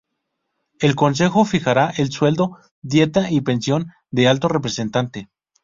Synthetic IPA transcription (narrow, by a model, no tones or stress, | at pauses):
e̞lko̞ns̬e̞xo̞fixaɾaʔe̞lswe̞ld̪o̞ | d̪je̞t̪aʔipe̞nsjo̞n | d̪e̞alt̪o̞repɾe̞se̞nt̪ant̪e̞